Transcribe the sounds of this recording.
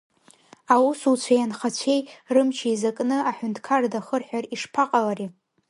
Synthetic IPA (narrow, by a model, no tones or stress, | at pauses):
awusut͡ɕʷʰajanχat͡ɕʷʰe̞jrɨmt͡ʃʰaizakʼnɨaħʷᶣʊntʰʼkʰardaχərħʷᶣariʂpʰaqʼalaɾi